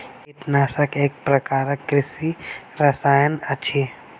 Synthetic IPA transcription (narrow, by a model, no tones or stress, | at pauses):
ɪt̪naːsəkeːk̚pɾɐkaːɾəkːɾɪsi | ɾɐsaːjənɐʃʰeː